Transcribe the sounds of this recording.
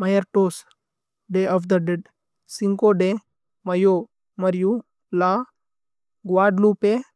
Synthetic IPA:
majəɾʈos | ɖeʔɔfd̪əɖeɖ | siŋkoɖe | mɐjo | mɐɾju | la | ɡwaːɖlupe

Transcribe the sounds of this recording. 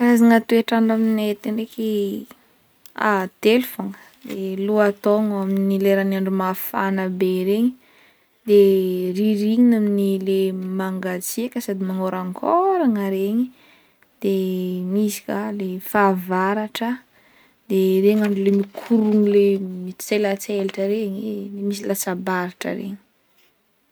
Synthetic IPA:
aziŋat̪ueʈ͡ʂaɳɖ͡ʐaminet̪iɳɖ͡ʐeki | a̰d̪̥elfaŋə̥ | d̪eluat̪oŋaminileɾanaɳɖ͡ʐumafa̰nabeɾeɲi | d̪̥eriɾiɲinaminilemaŋɡat͡siekʲəsad̪imaŋoɾaŋkʰoɾaŋəɾeɲi | d̪̥emisi̥kʲalefavaɾaʈ͡ʂə | d̪̥ereɲaɳɖ͡ʐulemikʰuɾuŋilemit͡selat͡selaʈ͡ʂəɾeɲiemis̬ilasabaɾaʈ͡ʂə̰ɾḛɲi̥

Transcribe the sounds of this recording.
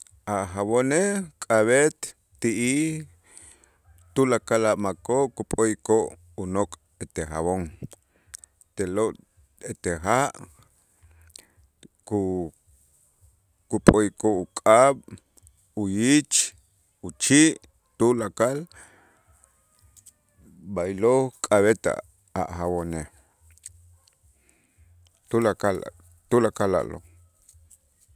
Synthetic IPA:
aχaβonekʼaβet̪ː | iʔi | t̪ulakalaʔmakoʔkupʼojkoʔ | unokʼ | et̪exa̰βoŋ | t̪eloʔ | et̪exaʔ | ku | kupʼojkʼoukʼaɓ | ujit͡ʃ | ut͡ʃiʔ | t̪ulakal | bajlokʼaβet̪a̰ | a̰ʔxawone | t̪ulakal̰ | t̪ulakala̰ʔlo̰

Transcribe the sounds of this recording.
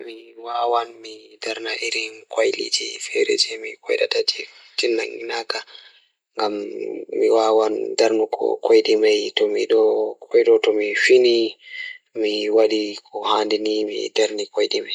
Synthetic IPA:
miwawanmidaɾnaʔiɾinkajlḭd͡ʒḭfɛɾḛd͡ʒɛmikɔ̰jɗa̰tad͡ʒi | tinːaŋɡinaka | ŋɡamːiwawandaɾnukʰɔ̰kojɗimajtɔmiɗɔkʰɔjɗɔtɔmifini | miwaɗikɔhandinimḭdaɾnikojɗimaj

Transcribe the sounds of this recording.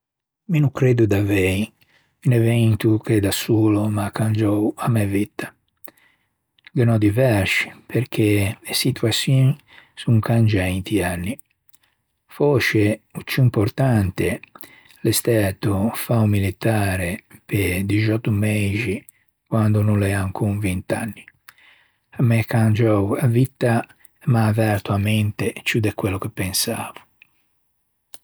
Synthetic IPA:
minukɾed̪ud̪avɛi | ynɛvɛnt̪uked̪asuːlomakːand͡ʒɔwamːɛvit̪ːḁ | ɡ̪ɛnɔd̪ivɛɾʃi̥pʰeɾkʰeesit̪uasjɔni | suŋkand͡ʒaint̪ʰianːi | fɔʃeut͡ʃːuimpɔɾt̪ant̪e | lest̪ɛt̪ofaumːilit̪aːɾeped̪id͡ʒɔt̪ːumɛzi | kwand̪ununlɛaŋkʰuŋvent̪a̰nːi | amːɛkːand͡ʒɔwavit̪ːa | maːvɛɾt̪uamɛnt̪et͡ʃud̪ɛkːwɛlːokepːɛnsa̰ːvu̥

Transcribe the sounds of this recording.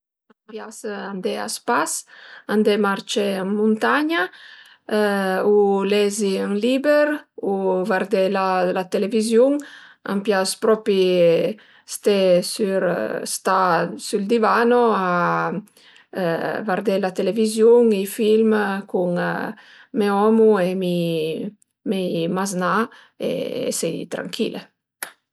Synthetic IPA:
ampjasand̪ea̰spasand̪emaɾt͡ʃeaŋmunt̪aɲa | ulɛziaŋlibeɾuvaɾd̪elalat̪elevizjuŋa̰mpjaspɾɔpi | st̪esyɾst̪asyld̪ivanoa | vaɾd̪elat̪elevizjuŋifilmkuŋ | meɔmuemi | memazna | ḛsɛjt̪ɾa̰ŋkʰḭlḛ

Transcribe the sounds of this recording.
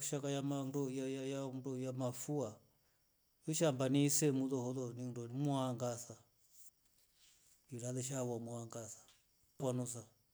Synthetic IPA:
ʃakajamandɔjajajadɔjamafua | jɔʃambanisɛmuðɔhɔlɔnindɔnimuaŋɡasa | iɾalɛʃ̬auamuaŋɡasḁ | kwanusa

